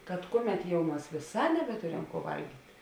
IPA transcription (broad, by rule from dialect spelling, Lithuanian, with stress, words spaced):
kɐt ˈkʊˌmʲɛt jɛʊ ˈmɐs ʋʲeːˈsɑː nʲɛbʲɛˈtʊrʲɛm kuɔ ˈʋɐlʲɡʲiːtʲ